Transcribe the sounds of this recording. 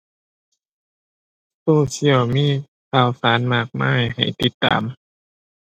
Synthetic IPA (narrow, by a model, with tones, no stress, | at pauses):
t̪uː˧˩t͡ɕi˧˩əwmiː˧˥˨ | kʰaː˧˩wsaː˨˦nmaː˧˩k̚ma̰ː˧˥˩jha̰˨˩jt̪i˧t̪ːa̰ː˨m